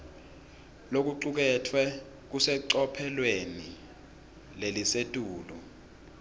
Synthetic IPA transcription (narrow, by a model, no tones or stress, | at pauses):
lok̬uǀuk̬ɛtʰwɛ | k̬usɛǀɔpʰɛlweni | lelisetʼuːlɔ